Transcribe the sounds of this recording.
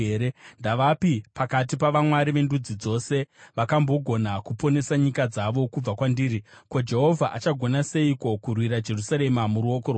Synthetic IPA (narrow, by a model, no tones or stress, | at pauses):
eːɾendaʋapipakat̬ipaʋamwaɾiʋe̞ndud͡zid͡zo̞se̞ʋakambo̞ɡʱo̞nakupo̞ne̞saɲikad͡zaʋo̞kub͡vakwandiːɾi | ko̞d͡ʒe̞ɦo̞vʱaʔat͡ʃaɡʱo̞nase̞iko̞kurwiɾad͡ʒe̞rusaɾe̞mamuɾuokoro